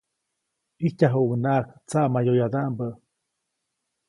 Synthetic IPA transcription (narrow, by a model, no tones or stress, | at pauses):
ihc̪aɦuʔŋnakt͡saʔmajojad̪aʔmbə